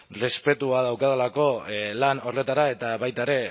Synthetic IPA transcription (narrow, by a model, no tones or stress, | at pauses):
re̞spe̞t̪uað̞awkaðalako̞lano̞re̞t̪aɾae̞t̪aβajt̪aeɾe̞